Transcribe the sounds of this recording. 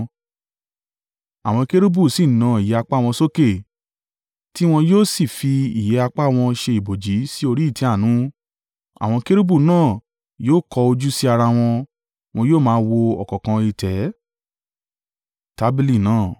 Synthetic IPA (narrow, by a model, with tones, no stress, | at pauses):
a˨w̃ɔ̃˧ke˦ɾu˦bu˦˨si˦˨nã˨˧˦i˨jɛ˨a˧k͡pa˦˨w̃ɔ̃˧so˦ke˦˨ | ti˦w̃ɔ̃˧joː˦˨si˦˨fi˧i˨jɛ˨˦a˧k͡pa˦˨w̃ɔ̃˧ʃe˧i˨bo˨d͡ʒi˨˦si˦o˧ɾi˦i˦˨ti˨˦a˦˨nũ˨˦ | a̰˨w̃ɔ̃˧ke˦ɾu˦bu˦˨nãː˦˨ | joː˦˨kɔ˧o˧d͡ʒu˦si˦a˧ɾa˧w̃ɔ̃˧ | w̃ɔ̃˧joː˦˨mãː˦˧wo˧ɔ̰˨kɔ̃˨kã˧i˧tʰɛ˨˦ | ta˨˦bi˦li˦˨nãː˦˨